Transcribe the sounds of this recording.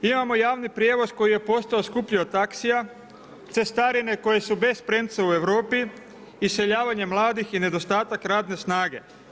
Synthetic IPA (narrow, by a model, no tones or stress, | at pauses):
imamo̞jaːʋnipɾjeʋo̞zko̞jije̞po̞st̪ao̞skupʎiot̪aksija | t̪se̞st̪aɾine̞ko̞je̞sube̞spɾe̞nt̪saue̞ʋɾo̞ːpiː | se̞ʎaːʋaɲe̞mlˠaːd̪ixine̞d̪o̞st̪aːt̪akɾaːd̪ne̞snaːɡe̞̰